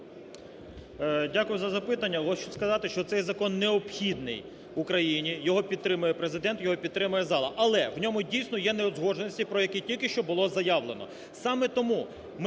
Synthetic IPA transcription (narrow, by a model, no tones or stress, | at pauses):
dʲakʊjʊzɐzɐpɪt̪ɐnʲːɐɦɔt͡ʃʊskɐzɑt̪ɪʃt͡ʃɔt̪sɛjzɐkɔnːeɔpxʲid̪nɪ̰j | ʊkɾɐjinʲijɔɦɔpʲid̪t̪ːɾɪmʊjɛpɾezɪd̪ɛnt̪jɔɦɔpʲid̪̚t̪ɾɪmʊjɛzɑlˠɐʔɐlˠɛwnʲɔmʊdʲijsʲnɔjɛneɔzɦɔʒenɔsʲtʲipɾɔjɐkitʲilʲkɪʃt͡ʃɔbʊlˠɔzɐjɑʋlˠenɔ̰ | sɑmɛt̪ɔmu | m